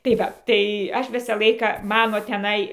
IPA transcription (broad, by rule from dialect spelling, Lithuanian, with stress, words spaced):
tɐɪ ˈʋɐ tɐɪ ˈɐʃ ˈʋʲɪsɑː ˈlˠɐɪkɑː ˈmɑːnoː tʲɛˈnɐɪ